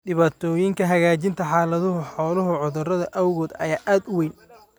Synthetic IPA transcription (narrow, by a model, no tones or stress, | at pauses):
ɖɪβaːt̪ʰɔːjɪŋkʰɐɦɐɣaːt͡ʃɪnt̪ʰɐħɑːlɐðʊɦʊħɔːlʊɦʊʕʊðʊrɐðɐʔɐwɣɔːd̪ɐ̰jaːʔaːd̪ʊwɛjn